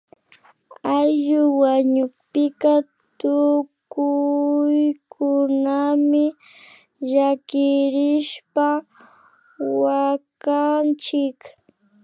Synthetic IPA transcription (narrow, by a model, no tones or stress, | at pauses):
ajʎʊwaɲʊkpɪka | t̪ʊkʊjkʰʊnamɪ | ʒakɪɾɪʃpa | wakant͡ʃɪk